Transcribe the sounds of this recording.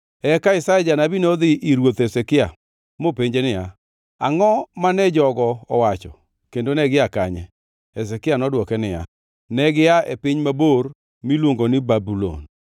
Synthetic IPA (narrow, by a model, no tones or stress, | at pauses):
ɛkaɪsajɛd͡ʒanabinod̪ɪʔiɾwot̪esekɪa | mopeɲd͡ʒenɪja | a̰ŋɔmanɛd͡ʒɔɡɔɔwat͡ʃɔ̰ | kendonɛɡɪakaɲɛ | ɛs̬ɛkɪanɔdwɔkɛnɪja̰ | nɛɡɪaḛpɪɲmabor | milwoŋɡonɪbabulo̰n